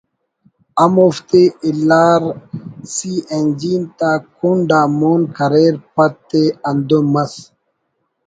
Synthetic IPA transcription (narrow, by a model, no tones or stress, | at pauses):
amoft̪eʔelaɾsiend͡ʒint̪akunɖamonkaɾeɾpat̪ːeand̪omas